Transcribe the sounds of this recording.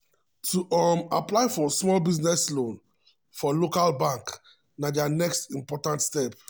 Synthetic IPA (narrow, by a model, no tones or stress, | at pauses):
tuʔɔmaplaɪfɔsmɔlbiznɛslõn | fɔlokalbãŋk | nadanɛkstĩmpɔtãntstɛp̚